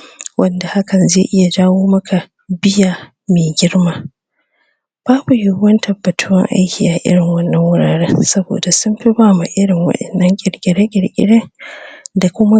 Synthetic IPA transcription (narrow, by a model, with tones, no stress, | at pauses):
wʔɐ˦nda˨ha˦kɐ˨nzeː˦˨ʔɪ˦ja˨d͡ʒaː˦woː˦mɐ˦kʰa˨ | bɪ˦jaː˨ | meː˨ɡʲɪ˦ɽmaː˦ | b̥aː˦bu˨jʊ˦wɐ˦ntʰɐ˨bːɐ˨tʰʊ˦wɐ˦ŋʔa̰˦jkʲiː˨ʔa˨ʔɪ̰˦ɽɪ˨ŋwɐ˦nːɐ˦ŋwʊ˦ɽaː˨ɽeː˦sɐ˦bo̰ː˨da˨sʊ˦mɸi˦baː˦ma˨ʔɪ˦ɽɪ˨ŋwɐ̰˦ɗɛ˨nːɐ˦ŋkʲʼɪ˨ɽkʲʼɪ˨ɽe˦kʲʼɪ˨ɽkʲʼɪ̰˦ɽeː˦ | da˨kʷʊ˦ma˦